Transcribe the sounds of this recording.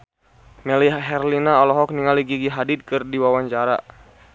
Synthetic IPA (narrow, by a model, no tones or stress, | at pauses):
mɛliɦɛrlinaɔlɔɦɔk̚niŋaliɡiɡiɦadid̪̚kɨrdiwawaɲt͡ʃaɾa̰